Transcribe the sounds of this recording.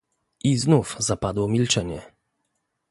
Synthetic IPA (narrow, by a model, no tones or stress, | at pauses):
ʔiznufzapad̪wɔmʲilt͡ʂɛɲɛ